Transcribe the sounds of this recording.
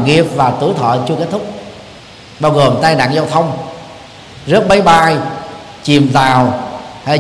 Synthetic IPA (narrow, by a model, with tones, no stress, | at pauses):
ŋi˨˧˩əp̚vaː˨˩t̪ɨ̰˧˩jt̪ʰɔ̰ː˧˨t͡ɕu˧ke˦˥t̚t̪ʰʊ˦˥k͡p̚ | ɓaː˧wɣo˨˩mt̪aː˧jna̰ː˧˨ŋzaː˧wt̪ʰə˧wŋ͡m | zɨ˦˥əp̚ɓə˨˦jɓaː˧j | t͡ɕi˨˩mzaː˨˩wha˧